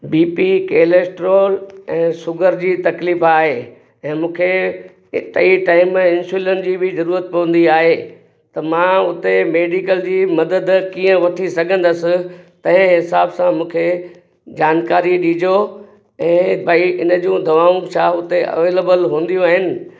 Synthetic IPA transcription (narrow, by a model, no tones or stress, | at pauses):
biːpikeːlesʈɾoːlɛ̃ːsʊɡʱəɾd͡ʑiːt̪ɐkliːfaːɦe | ɛ̃ːmũːkʰe | t̪ɐiʈaːɪm̃ɪnsuːlənd͡ʑiːbʱɪzɐɾuːɾət̪̚pɐʋə̃nd̪iaːɦe | t̪ɐmãʊt̪emeːɖikəld͡ʑiːmɐd̪əd̪kiːə̃ʋɐʈʰisɐɡʱə̃nd̪əsɪ̆t̪ɐ̃ɦɪ̃ɦɪsaːbsãmũːkʰe | d͡ʑaːnkaːɾiɗiːd͡ʑo | ɛ̃ːbɐiɪnə̆d͡ʑũːd̪ʱɐʋaːũt͡ɕʰaʊt̪eʔɐ̰ʋeːleːbəlɦũːn̆d̪ijũaːɦɪnɪ̆